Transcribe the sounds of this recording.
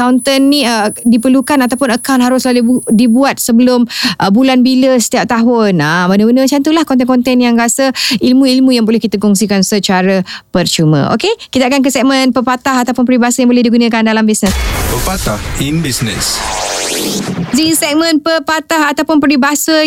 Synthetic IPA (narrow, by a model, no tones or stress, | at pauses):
awnt̪ənːĩədipərlukanat̪awpʊnəkawnɦaɾʊslaludibuat̪̚səbəlʊmʔəbulanbiləsə̥t̪iap̚t̪aɦʊnabənəbənəmət͡ʃant̪ulahkɔnt̪̬ɛnkɔnt̪ɛnjaŋrasəilmũilmũjaŋbolɛhkit̪əkɔŋsikansət͡ʃaɾəpərt͡ʃumə̰̃ʔo̰kekid̪aʔkank̬əsɛk̚mə̃npəpat̪aɦat̪awpʊnpəɾibasəjaŋbolɛhdiɡunə̃kandalambisnəspəpat̪ahinbisnə̰s | ziŋsɛk̚mə̃npəpat̪ahat̪awpʊnpəɾibasə